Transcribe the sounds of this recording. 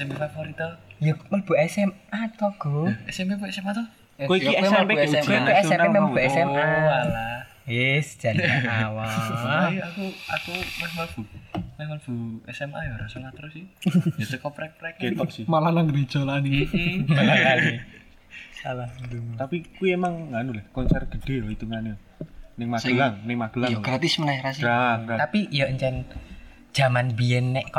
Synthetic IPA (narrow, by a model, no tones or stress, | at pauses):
ɛsɛmpefafoɾit̪ajamərb̥ṳɛsɛmat̪ɔɡ̥ɔɛsɛmpepuɛsɛmat̪ɔh | koiiɛmɛpeɛeɛɛsɛmpemɛmɔbuɛsɛmaala | jɛsd̥ʒ̥a̤naawaaiakuakumaməlb̥umemab̥ṳɛsɛmʔa̰jɔɾasəŋat̪ɾʊsijasəkɔpɾɛk̚pɾɛk̚ket̪ɔʔsɪmalanaŋɾe̥d͡ʒ̥ɔlanimalakani | salahd̪t̪apikuiemaŋːanulɛhkɔnsɛrɡ̥ə̤ɖ̥e̤jɔit̪uŋanu | nɪŋmasɡəlaŋnɪŋmaɡ̥əlaɡɾat̪ismənaɾasiɾaɾat̪apiʔjɔʔəɲt͡ʃɛn | d̥ʒ̥a̤manbiɛnːɛʔkɔ